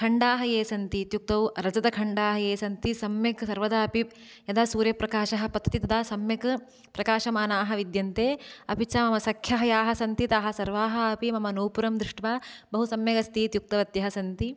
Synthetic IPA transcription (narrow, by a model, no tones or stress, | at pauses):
kʰɐɳɖaːɦɐjeːsɐnt̪it̪juk̚t̪ɐwɾɐd͡ʒɐd̪ɐkʰɐɳɖaːɦɐjeːsɐnt̪isɐmjɐksɐɾʋɐd̪aːɐpi | jɐd̪aːsuːɾjɐpɾɐkaːʃɐɦɐ̆pɐd̪ʰɐt̪it̪ɐd̪aːsɐmjɐk | pɾɐkaːʃɐmaːnaːɦɐ̆ʋid̪jɐnt̪eːɐpit͡ʃaːmɐmɐsɐkʰjɐɦɐjaːɦɐsɐnt̪it̪aːɦɐsɐɾʋaːɦɐːpimɐmɐnuːpuɾɐmd̪ɾiʂʈʋaːbɐɦusɐmjɐɡɐst̪iːt̪juk̚t̪ɐʋɐt̪jɐɦɐsɐnt̪i